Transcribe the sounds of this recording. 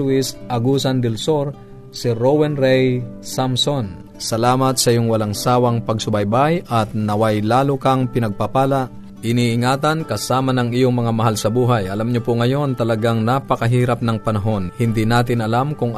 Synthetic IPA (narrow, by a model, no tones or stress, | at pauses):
uɪsʔɐɡusand̪ɛlsoɾ | sɪɾowɛnɾɛjsamson | sɐlaːmɐt̪̚sɐʔijoŋwɐlaŋsaːwɐŋpɐɡ̚sʊbajbajʔɐt̪̚nɐwajlaːlʊkaŋpɪnɐɡ̚papaːlaʔ | ʔɪniʔɪŋaːt̪ɐnkɐsaːmɐnɐŋijoŋmɐŋamɐɦalsɐbuːɦajʔɐlamɲopʊŋɐjo̞nt̪ɐlɐɡaŋnapɐkɐɦiːɾɐp̚nɐŋpɐnɐɦo̞nhɪnd̪inaːt̪̬ɪnɐlamkʊŋ